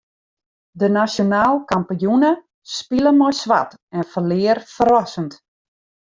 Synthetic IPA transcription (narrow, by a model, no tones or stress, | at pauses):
dənasjonaːlˠkampijunə | spiləmojsʋa̰t | ɛnfərlɪːərfərɔsənt